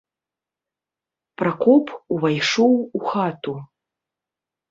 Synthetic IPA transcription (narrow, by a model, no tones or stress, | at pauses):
pɾakɔpuvajʂɔwuxat̪u